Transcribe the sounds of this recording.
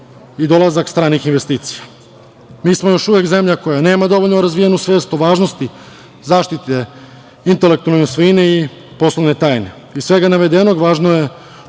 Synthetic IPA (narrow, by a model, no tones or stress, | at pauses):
id̪o̞lazakst̪ɾaːnixinʋe̞st̪iːt̪si̥ja | miːsmo̞jo̞ʃuʋje̞kze̞mʎako̞jane̞ːmad̪o̞ʋoʎnoɾazʋijenusʋeːst̪uoʋaːʒnost̪i | zaːʃt̪it̪e | int̪e̞le̞k̚t̪ualnesʋinei | po̞slo̞ʋne̞t̪aːjne̞ | isʋe̞ɡanaʋe̞d̪e̞noɡʋaːʒnoje̞